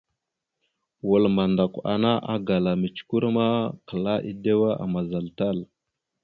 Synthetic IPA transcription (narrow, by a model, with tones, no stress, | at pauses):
wu˨lma˨nda˨kʷa̰˨na˦ʔa̰˦ɡa˨la˨mi˨t͡ʃku˦ɾma˦kə˨la˦ʔi˦de˦wa˦ʔa̰˨ma˨za˨lta˦˨l